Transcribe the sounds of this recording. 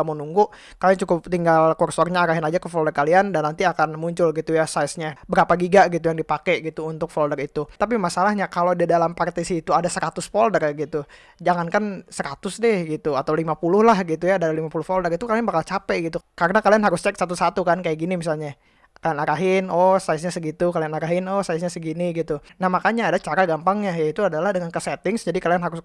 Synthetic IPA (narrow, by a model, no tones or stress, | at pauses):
amonuŋɡuʔ | kaliant͡ʃukʊp̚t̪iŋɡalkɔrsɔrɲaːɾaɦɪnad͡ʒakəfɔldərkaliandanːant̪iakanmuɲt͡ʃʊlɡit̪ujasajsɲabəɾapaɡiɡaʔɡit̪ujaŋdipakɛɡit̪uːnt̪ʊk̚fɔldərit̪ut̪ap̬imasalahɲakalodidalampart̪isiːt̪uadasəɾat̪ʊsfoldərɡit̪u | d͡ʒaŋankansəɾat̪ʊsdɛhɡit̪uat̪awlimapulʊhlahɡit̪ujaːdalimapulʊhfoldərit̪ukalianbakalt͡ʃapɛɡit̪ukarənakalianɦaɾʊst͡ʃɛk̚sat̪̬usat̪ukankajaʔɡinimisalɲa | kalianaɾaɦɪnɔsaɪs̬ɲasəɡit̪ukalianaɾaɦɪnɔsajs̬ɲasəɡiniɡit̪u | nahmakaɲaːdat͡ʃaɾaɡampaŋɲajait̪uadalahdəŋankəsɛt̪ɪŋsd͡ʒadikalianɦaɾʊs